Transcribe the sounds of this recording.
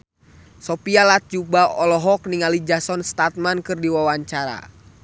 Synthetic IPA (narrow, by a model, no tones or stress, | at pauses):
sɔpialat̪̚d͡ʒubaɔlɔɦɔkniŋalid͡ʒasɔnst̪at̪̚mankɨrdiwawaɲt͡ʃaɾa̰